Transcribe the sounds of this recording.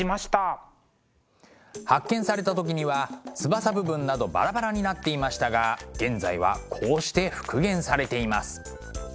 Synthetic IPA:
imaɕi̥t̪a | hakːẽ̞ɰ̃saɾe̞t̪at̪o̞k̬ʲiɲ̟iβat͡sɨbasabɯ̟bɯ̟̃nːad̪o̞ba̰ɾabaɾaɲ̟inat̪ːe̞imaɕi̥t̪aɡaɡ̥ẽ̞nd͡zaiβ̞a̰kʰo̞ːɕi̥t̪e̞ɸɯ̥kɯ̟ɡẽ̞ɰ̃saɾe̞t̪e̞imasɨ̥

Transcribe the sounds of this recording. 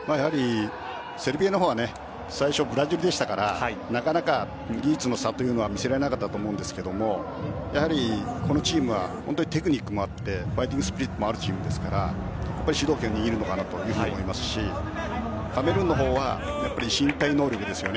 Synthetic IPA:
maːjahaɾʲi | se̞ɾɯ̟bʲienoɦoːβane̞ | saiɕo̞bɯ̟ɾaʑoɾɯd̪e̞ɕi̥t̪akaɾaanakanaka | ɡʲit͡sɨno̞sat̪ojɯno̞β̞amʲise̞ɾaɾenakat̪ːat̪oːmo̞ɯ̃nd̪esɨ̥ke̞d̪o̞mo̞ | jahaɾʲiko̞no̞t͡ɕiːmɯ̟βa̰ho̞nt̪oɲi̥t̪e̞kɯ̟ɲ̟ikːɯ̟mo̞at̪ːe̞ɸait̪̬ʲĩŋɡɯsɨ̥pʲiɾʲit̪ːomo̞aɾɯ̟t͡ɕiːmɯ̟d̪e̞sɨ̥kaɾa̰ | japːaɾʲiɕid̪o̞ːkẽɲ̟ːʲiɡʲiɾɯno̞kanat̪o̞jɯ̟ːhɯɲmoimasɨ̥ɕi | kame̞ɾɯ̟̃nːo̞ɦo̞ːβa̰japːaɾʲiɕĩnt̪aino̞ːɾʲo̞kɯ̟d̪e̞sɨjo̞ne

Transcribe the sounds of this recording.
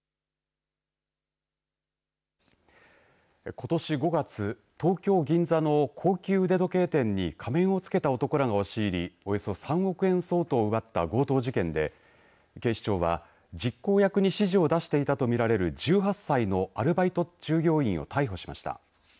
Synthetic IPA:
ko̞t̪o̞ɕiɡo̞ɡat͡sɨ | t̪o̞ːkʲo̞ːɡʲĩnd͡zano̞kʰo̞ːkʲɨːɯ̟d̪e̞d̪o̞ke̞ːt̪ẽ̞ɲ̟ːikʰamẽ̞ɰ̃o̞t͡sɨ̥ke̞t̪ao̞t̪o̞koɾaɡaoɕiːɾʲio̞jo̞so̞sãɰ̃o̞kɯ̟ẽ̞ɰ̃so̞ːt̪o̞ːɯ̟βat̪ːaɡo̞ːt̪o̞ːʑikẽ̞nd̪e̞̰ | ke̞ːɕi̥t͡ɕo̞ːβa̰ | d͡ʑikːo̞ːjakɯ̟ɲ̟iɕiʑiod̪aɕi̥t̪e̞it̪at̪o̞mʲiɾaɾe̞ɾɯ̟d͡ʑɨːɦasːaino̞aɾɯ̟bait̪o̞d͡ʑ̥ɨːɡʲo̞ːĩɰ̃o̞̰t̪aiɦo̞ɕi̥ma̰ɕi̥t̪a̰

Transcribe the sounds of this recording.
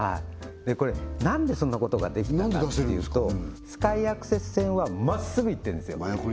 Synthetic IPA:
haid̪e̞ko̞ɾe̞nãnd̪e̞sõ̞nːako̞t̪o̞ɡa̰d̪e̞kʲt̪ãnd̪eaasteːejɯːo̞sɨ̥kaijakɯ̟̥se̞t͡sɨ̥sẽ̞ɰ̃βamasɨɡɯ̟it̪ːẽnesɨjo

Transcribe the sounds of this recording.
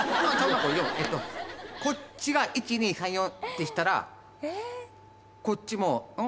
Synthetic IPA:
nãt͡ɕãnãkojoet̪ːoko̞t͡ɕiɡaʔit͡ɕiɲ̟ĩsãɰ̃jõt̪e̞ɕi̥t̪aɾa̰ | ko̞tt͡ɕimo̞ɯ̃

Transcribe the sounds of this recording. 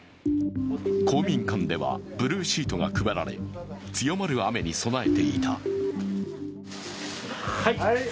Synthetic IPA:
kʰo̞ːmʲĩŋkãnd̪e̞βa̰b̥ɯ̟ɾɯ̟ːɕiːt̪o̞ɡa̰kɯ̟beɾa̰ɾe̞̰ | t͡sɨjo̞maɾɯ̟ame̞ɲ̟iso̞nae̞t̪e̞it̪ʰa

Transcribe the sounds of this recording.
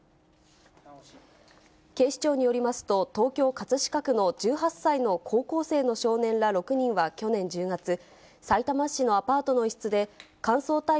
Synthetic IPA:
ke̞ːɕi̥t͡ɕo̞ːɲ̟ijo̞ɾʲimasɨ̥t̪o̞t̪o̞ːkʲo̞ːkat͡sɨɕi̥kakɯ̟no̞d͡ʑɨːɦasːaino̞kʰo̞ːko̞ːse̞ːno̞ɕo̞ːnẽ̞nɾaɾo̞kɯ̟ɲ̟ĩɰ̃βakʲo̞nẽ̞ɲ̟d͡ʑɨːɡat͡sɨ | sait̪amaɕːino̞apaːt̪o̞no̞iɕi̥t͡sɨd̪e̞kãɰ̃so̞ːt̪a

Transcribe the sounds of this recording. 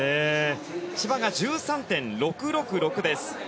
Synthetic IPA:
eː | ɕibaɡad͡ʑɨːsãnt̪ẽ̞nɾo̞kɯ̟ɾo̞kɯ̟ɾo̞kɯ̟d̪e̞sɨ̥

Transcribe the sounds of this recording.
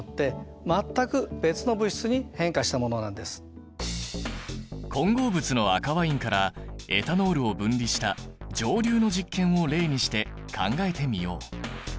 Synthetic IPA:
t̪ːe̞ | mat̪ːakɯ̟b̥e̞t͡sɨno̞bɯ̟ɕi̥t͡sɨɲ̟ihẽ̞ŋkaɕi̥t̪amo̞no̞nãnd̪e̞sɨ̥ | kʰõ̞ŋɡo̞ːbɯ̟t͡sɨno̞akaβaĩŋkaɾae̞̰t̪ano̞ːɾɯ̟o̞bɯ̟̃nɾʲiɕi̥t̪ad͡ʑo̞ːɾʲɨːno̞ʑikːẽ̞ɰ̃o̞ɾe̞ːɲ̟iɕi̥t̪e̞ | kʰã̰ŋɡae̞t̪e̞mʲijo̞̰ː

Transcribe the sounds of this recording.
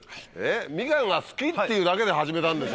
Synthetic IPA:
emʲiɡãŋɡasɨ̥kit̪ːeiɯ̟ːd̪ake̞d̪e̞ɦaʑime̞t̪ãnd̪es

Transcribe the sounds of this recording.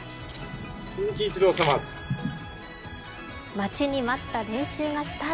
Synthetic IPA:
ɕɨzɨkʲiːt͡ɕid̪o̞ːsama | mat͡ɕiɲ̟imat̪ːaɾẽ̞ɰ̃ɕɨːɡasɨ̥t̪a

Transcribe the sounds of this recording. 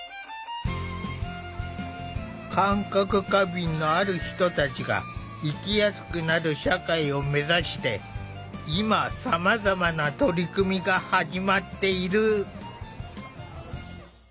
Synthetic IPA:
kʰãŋkakɯ̟kabʲĩnːo̞aɾɯ̟çi̥t̪o̞t̪at͡ɕiɡa̰ | ikʲijasɨ̥kɯ̟naɾɯ̟ɕakaio̞me̞zaɕi̥t̪e̞ | imasamazamanat̪o̞ɾʲikɯ̟mʲiɡahaʑimat̪ːe̞iɾɯ̟

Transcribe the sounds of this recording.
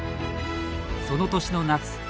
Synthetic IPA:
so̞no̞t̪o̞ɕino̞nat͡sɨ̥

